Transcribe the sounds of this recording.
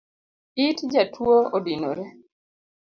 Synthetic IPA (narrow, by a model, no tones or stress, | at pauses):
ɪtd͡ʒatwoodino̰ɾe